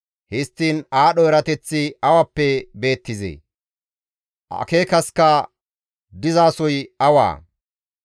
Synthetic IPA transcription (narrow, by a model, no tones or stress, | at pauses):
hɪst̪ːiːnaːɗɔɛɾɐt̪ɛt͡sːɪɐwɐpːɛbe̞ːt̪ːɪzḛː | ʔɐ̰keːkɐskɐ | d̪ɪzaːsɔjɐwa̰ː